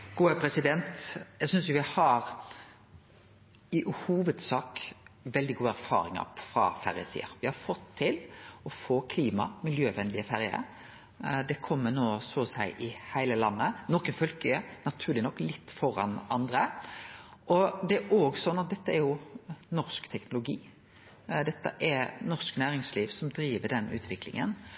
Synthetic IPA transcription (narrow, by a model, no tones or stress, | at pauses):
ɡ̥uːɛpʰɾɛsɪd̪ɛnt̪jæɡsʏnsjʊʋɪhɑɾ | ɪhuːʋəd̪sɑːkʋɛld̪ɪɡuːæɾfɑ̰ːɾɪ̰ŋɑ̰fɾɑ̰fæɾjə̰sḭːə̰ɾʋɪhɑɾfɔt̪ʰːɪlɔfoːkʰliːmɑ̰mɪljøːʋɛnlɪəfæɾjə̰ɾ | d̪ɛkʰɔmːənoːsɔːsæɪʔɪhæɪləlɑnːənɔːkənfœlkəənɑt̪ʰʉːɾlɪnɔkːlɪt̪ːfɔɾɑnɑnd̪ɾə | ʔɔd̪ɛæɾoːɡsɔnːɑt̪̚d̪ɛt̪ːəæɾjʊnɔʁskt̪ʰɛknʊlʊɡiː | d̪ɛt̪ːə̰ʔɛɾnɔʁsknæːɾɪŋsliːʋsɔmd̪ɾiːʋəɖɛnʉ̰ːt̪ʰʋɪklɪ̰ŋə̰n